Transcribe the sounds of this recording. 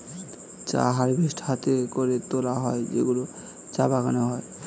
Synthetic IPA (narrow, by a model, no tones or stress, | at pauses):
t͡ɕa̰ɦaɾbʱisʈhat̪ekoɾet̪olaɦɔed͡ʒḛɡulo | t͡ɕabakanoɦɔe